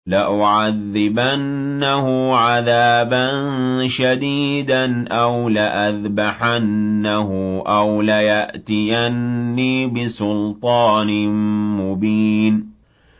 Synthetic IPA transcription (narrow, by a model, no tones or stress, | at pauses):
laʔʊʕaðːɪbanː | ahʊʕaðaːban | ʃad̪iːd̪anʔawlaʔaðbaħanːaɦʊʔawlajaʔt̪ɪjanːiːbɪsʊlt̪ˤɑːnɪmʊbiːn